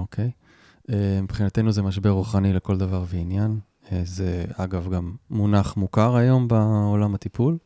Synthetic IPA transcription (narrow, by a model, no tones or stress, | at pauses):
okʰej | emipχinat̪e̞jnuzemaʃ̬be̞ʁuχanileko̞ld̪avaʁveinjan | ezeaɡavɡamːunaχmukaʁajo̞mbaolamat̪ipul